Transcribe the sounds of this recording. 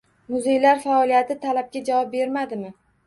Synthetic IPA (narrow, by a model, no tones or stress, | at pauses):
mʊzejlaɾfaɒlijat̪ʰɪt̪ʰalab̚ɡʲad͡ʒavɒp̚be̞ɾmad̪ɪmɪ